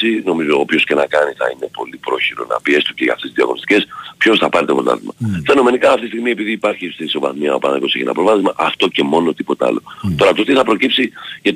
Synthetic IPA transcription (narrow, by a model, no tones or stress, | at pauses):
sino̞mizo̞opço̞sce̞nɐkɐnisθɐ̰ine̞po̞lipɾo̞çiɾo̞̰nɐ̰pie̞st̪uceʝɐ̰ft̪eizðiɐ̰ɣo̞̰nist̪i̥cespço̞sθɐpɐɾet̪epot̪ɐ̰ðimɐfe̞no̞me̞nikɐːft̪ist̪iɣmie̞piðiːpɐɾçist̪inso̞vɐzmiɐopɐ̰nɐkoseçinɐ̰pɾovɐθizmɐʔɐft̪o̞ce̞mo̞no̞t̪ipo̞t̪eɐ̰lo̞̰t̪o̞ɾɐt̪ot̪iθɐpɾo̞cipsiʝɐt̪